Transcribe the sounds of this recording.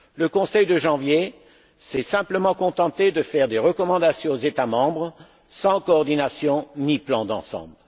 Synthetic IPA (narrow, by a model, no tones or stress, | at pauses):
ləkɔ̃sɛjd̪əʒɑ̃vje | sɛsɛ̃pləmɑ̃kɔ̃t̪ɑ̃t̪ed̪əfɛʁd̪eʁəkɔmɑ̃d̪asjɔ̃ozet̪amɑ̃bʁ | sɑ̃kɔːʁd̪inasjɔ̃niplɑ̃d̪ɑ̰̃sɑ̰̃bl